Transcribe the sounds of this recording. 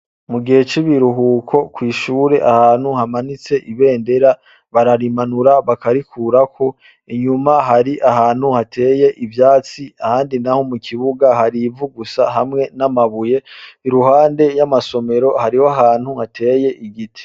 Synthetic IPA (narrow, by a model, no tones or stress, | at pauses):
muɡihe̞t͡ʃiβiɾuɦuːkʰo̞kwiːʃuːɾe̞ʔahaːnhuhamanit͡se̞ʔiβe̞ːnde̞ɾa | βaɾaɾimanuɾaβakaɾikʰuːɾakʰo̞ | iɲumaɦaɾiʔaɦaːn̥huhatʰe̞ːje̞ʔivjaːt͡siahaːndinaho̞mukʰiβuɡaɦaɾivuɡusaɦamŋe̞namaβuje̞iɾuɦaːnde̞jamaso̞me̞ɾo̞haɾihoaɦaːn̥huhatʰe̞ːje̞ʔiɡitʰi̥